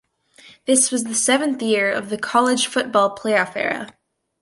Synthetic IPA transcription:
ðɪswʌzðɨsɛvɨ̃nθjɪɹʌ̰vðɨkʰɑlˠɨd̥ʒ̥fʊt̚b̥ɔlˠpʰl̥eɪəfɛ̰ɹɨ̰

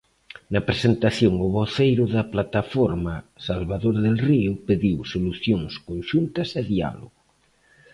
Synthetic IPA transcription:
nɐpɾesent̪aθjoŋʊβoθejɾʊðɐplat̪afoɾmɐsalβaðoɾɐðelriʊpeðiwsoluθjoŋskonʃunt̪ɐseðia̰lo̰ɣʊ

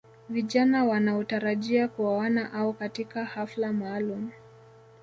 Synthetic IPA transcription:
viʄanawanaɔtaɾaʄiakuwawanaʔaɔkatikahaflamaːlum

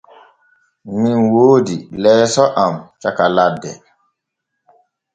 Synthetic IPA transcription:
minwoːdilɛːsɔʔamt͡ʃakaladːɛ

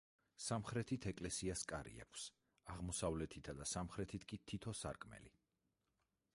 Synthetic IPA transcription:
samχɾɛt̪ʰit̪ʰɛkʼlɛsiaskʼaɾḭa̰kʰs | aʁmɔsavlɛt̪ʰit̪ʰad̪asamχɾɛt̪ʰit̪ʰkʼit̪ʰit̪ʰɔsa̰ɾkʼmɛ̰lḭ

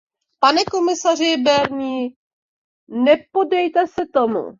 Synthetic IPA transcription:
panɛko̞mɪsar̝ɪbɛɾɲiː | nɛpo̞dɛjt̪ɛsɛt̪omṵ

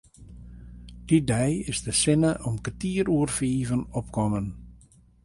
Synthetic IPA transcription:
d̥idɛjɪsdəsɪnəʔɔmkətiəɾuərfiːvənɔpkɔmən

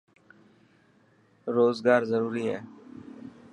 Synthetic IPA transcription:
ɾoːzɡaːɾzəɾuːɾiːɦɛː

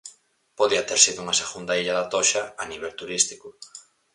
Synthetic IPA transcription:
poðiɐt̪eɾsiðʊuŋɐseɣund̪aiʎaðat̪oʃaaniβ̞ɛlt̪uɾist̪i̥kʊ

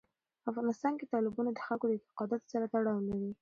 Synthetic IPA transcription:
afɣɑnɪst̪ɑnket̪ɑlɪbɑnad̪əxalkod̪əɪt̪ɪ̥qɑd̪ɑt̪o̥saɾat̪aɽɑwlaɾi

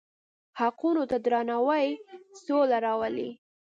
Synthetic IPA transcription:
haqunot̪ad̪ɾɑnawajsolaɾɑwəli

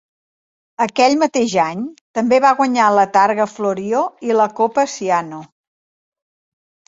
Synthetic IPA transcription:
əkɛʎmət̪eʒaɲt̪əmbeβaɣwəɲalət̪aɾɣəfloɾioiləkopəsiano

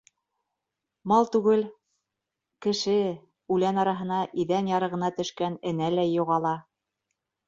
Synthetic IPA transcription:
mɑlˠt̪ʉɡɘl | kɘ̆ʃɘ | ʉlænɑɾɑɦɤ̆nɑʔiðænjɑɾɤ̆ʁɤ̆nɑt̪ɵ̆ʃkænɘ̆nælæjːuʁɑlˠɑ

